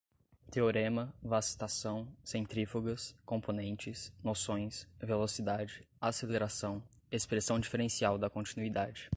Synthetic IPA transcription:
t̪eoɾẽmɐvasi̥t̪asɐ̃w̃sẽnt̪ɾifoɡɐskõmponẽnt͡ʃɪsnosõj̃svelosid̪ad͡ʒɪ | aseleɾasɐ̃w̃ | espɾesɐ̃w̃d͡ʒifeɾẽsiawd̪ɐkõnt͡ʃinuid̪ad͡ʒɪ

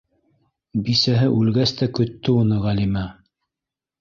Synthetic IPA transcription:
bisæɦɘʔʉlɡæst̪ækɵ̆t̪ːɵunɤʁælimæ

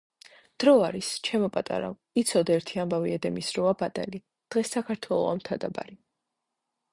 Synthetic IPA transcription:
d̪̥ɾɔaɾist͡ʃʰɛmɔpʼat̪ʼa̰ɾa̰ | it̪sʰɔd̪aɛɾt̪ʰiambaviɛd̪ɛmisɾɔabat̪ʼɛli | d̪̥ʁɛsːakʰaɾt̪ʰwɛlˠɔ̰a̰mt̪ʰad̪aba̰ɾi

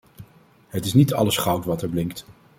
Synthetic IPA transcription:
ɦətɪsnitɑ̰ləsχɑwtʋɑtɛɹblɪŋk̚t

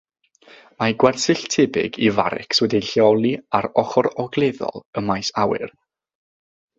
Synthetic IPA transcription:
maɡwɛrsɨɬtʰɪbɪ̰ɡiva̰ɾɪ̰kswɛdiɬjɔlˠiaɾɔχɔɾɔɡlˠeðɔ̰lˠəmajsawɪ̰r

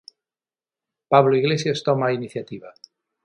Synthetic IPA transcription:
paβloiɣlesjast̪ɔmainiθjat̪iβa

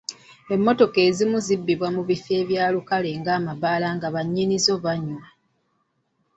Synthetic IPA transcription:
e̞mːo̞to̞ke̞ːzimuzibːiβwamuβife̞ːβjaːlukale̞ŋɡaːmaβaːlaːŋɡaβaɲːinizo̞βaɲma

